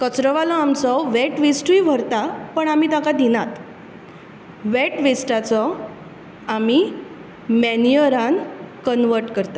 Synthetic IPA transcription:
kət͡sɾəʋalɔamt͡sɔʋeʈʋisʈʋiʋʱəɾt̪apəɳamit̪akad̪inat̪ | ʋeʈʋisʈat͡sɔ | ami | mɛnijəɾankənʋəɾʈkəɾt̪a

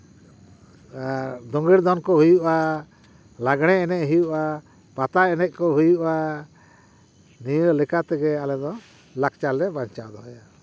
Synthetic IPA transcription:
aɾd̪ɔŋɡiɾd̪ɔnkɔɦujuʔa | laɡɽ̃ɛɛnɛʔɦujuʔa | pat̪aɛnɛʔ̚ˀkɔɦujuʔa | nijəlɛkat̪ɛɡɛalɛd̪ɔ | lak̚t͡ʃalɛbaɲt͡ʃad̪ɔɦɔja

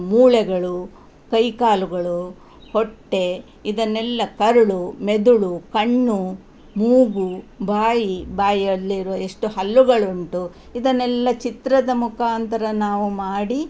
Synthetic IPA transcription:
muːɭɛɡɐɭu | kɐjkaːluɡɐɭu | hoʈːe̞ | id̪ɐnːɛlːɐkɐɾuɭumed̪uɭukɐɳːu | muːɡubʱaːjibaːjɐd̪liɾuʋɐe̞ʂʈuhɐlːuɡɐɭuɳʈu | id̪ɐnɛlːɐt͡ʃit̪ɾɐd̪ɐmukʰaːnt̪ɐɾɐnaːʋumaːɽi

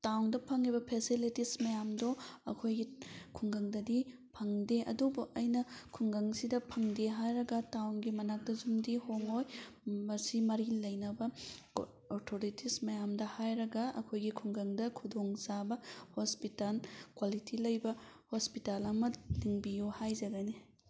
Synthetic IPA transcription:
tawndɐpʰɐŋibɐpʰesilitismɐjamdoɐ̰kʰojɡikʰuŋɡɐŋdɐdi | pʰɐŋdeʔɐ̰dubuʔɐjnɐkʰuŋɡɐŋsidɐpʰɐŋdeɦajɾɐɡɐtawnɡimɐnak̚dɐzumdihoŋojmɐɾsimɐɾilɐjnɐbɐ | oɾtʰoɾitʰismɐjamdɐhajɾɐɡɐɐ̰kʰojɡikʰuŋɡɐŋdɐkʰudʱoŋsabɐhospitalkwalitʰilɐjbɐhospitalɐmɐliŋbijuhajzɐɡɐni

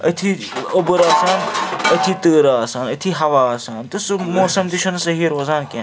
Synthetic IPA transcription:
ɐt̪ʰi | obɨɾaːsaːnɐt̪ʰit̪əːɾaːsaːnɐt̪ʰiɦɐʋaːsaːnt̪ɨsmoːsɐmt̪iʃʰɐnsɐɦiːɾoːzaːnkẽː

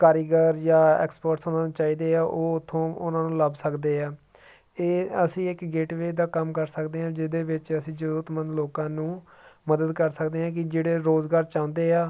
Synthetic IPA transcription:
kaːɾiɡəɾjaːɛ̰ːkspəɾʈsonãːnũːt͡ʃaːiːd̪eːaːʔoːʊt̪ʰːõːʊnãːnũːləbsəkd̪eːaː | eːəsĩːɪkɡeːʈʋeːd̪aːkəmkəɾsəkd̪eːɦãːd͡ʒɪd̪eːʋɪt͡ʃəsĩːd͡ʒəɾuːɾət̪mənd̪loːkãːnũː | məd̪əd̪kəɾsəkd̪eːɦãːk̬ɪd͡ʒeːɽeːɾoːzɡaːɾt͡ʃãːʊ̃nd̪eːaː

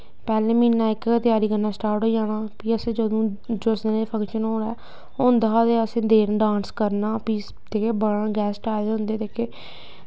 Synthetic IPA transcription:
pɛːlẽːmiːnãːɪkt̪ɪjaːɾiːkəɾnaːsʈaːɾʈɦoːid͡ʒaːɽ̃aːpiːəsẽːd͡ʒəd̪õːd͡ʒosneːleːpʰə̃ŋkʃənɦoːɽaː | ʊ̃nd̪ad̪eːəsẽːd̪eːɾɖãːnskəɾnaːpiː | t̪eːkeːbəɽãːɡɛːsʈaːd̪eːɦʊ̃nd̪eːd̪eːkeː

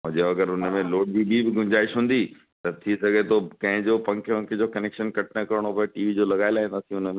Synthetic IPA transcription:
mʊ̃ɦd͡ʑeoɐɡəɾʊnmẽloːɽ̚d͡ʑibibɪɡʱʊɲd͡ʑaːiʃɦũːn̆d̪i | t̪ɐt̪ʰisɐɡʱet̪ʰokɐ̃ɦɪ̃d͡ʑopɐ̃ŋkʰpɐ̃ŋkʰɪd͡ʑoːkɐneːkʃənkɐʈʰnəkɐɾɪɽ̃opɐʈiːʋid͡ʑoːlɐɡaːɪlaːɦĩnd̪aːsĩʊn̆mẽ

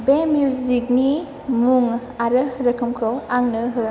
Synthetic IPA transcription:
bemjuzik̚ni | muŋ | aɾɯɾɐkʰɯmkʰəwaŋnɯɦɯ

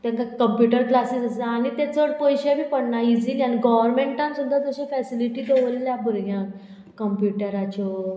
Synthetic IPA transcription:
t̪ãŋkakəmpjuʈəɾklasisəsəañit̪et͡səɽpɔjɕabʱiːpəɽɳaid͡zilianiɡɔʋəɾmẽɳʈãnsud̪ʱːad͡zəɕefɛsiliʈiːd̪eʋəlljabʱuɾɡjã | kəmpjuʈəɾat͡ɕɔ

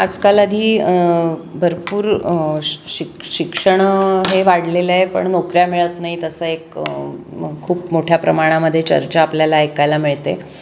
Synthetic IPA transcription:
əd͡zkaləd̪ʱiː | bʱəɾpuːɾ | ɕikɕikʂəɳ̃ɦeʋaɽlelepə̰ɳnokɾjamiɭət̪naɦit̪əsəek | əkʰːuːpmoʈʰjapɾəmaɽ̃aməd̪ʱːjet͡ɕə̰ɾt͡ɕaːpljalaːjkajlamiɭt̪e

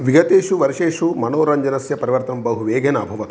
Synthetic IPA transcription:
ʋiɡɐt̪eːʃuʋɐɾiʃeːʂumɐnoːɾɐɲd͡ʒɐnɐsjɐpɐɾiʋɐɾt̪ɐmbɐɦuʋeːɡʱeːnɐɐbʱɐʋɐt̪u

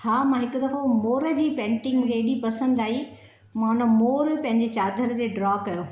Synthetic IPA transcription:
haːmãɦɪkʊd̪ɐfomoːɾə̆d͡ʑiːpẽːɳʈɪ̃ŋɡɡeːɗipɐsə̃nd̪aːɦi | mãʊnəmoːɾpɐ̃ɦɪ̃ɲd͡ʑet͡ɕaːd̪ʱəɾd͡ʑeːɖɾɔːkɐjoː

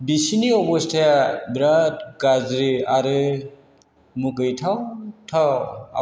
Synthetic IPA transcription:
bisiniɔbɔstʰabɾatɡazɾɯaɾɯ | muɡɯjtʰawtʰaa̰

